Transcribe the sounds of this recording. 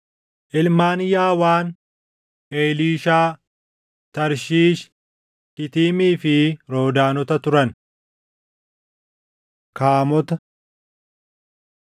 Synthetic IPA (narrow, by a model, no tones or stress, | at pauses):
ʔɪlmaːnjaːwaːn | eːliːʃaː | t̪ɐɾʃiːʃ | kɪt̪iːmiːfɪɾo̞ːd̪aːnɔt̪ɐt̪ʊɾɐn | kaːmɔt̪ɐ